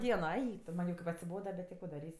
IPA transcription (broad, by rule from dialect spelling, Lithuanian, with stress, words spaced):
ˈdʲiɛnoː ˈɛɪk tʊ ˈmɐnʲ jɛʊ kɐɪp ɐtʲsʲɪˈboːdɐ bʲɛt tʲɪ ˈkoː dɐˈrʲiːsʲ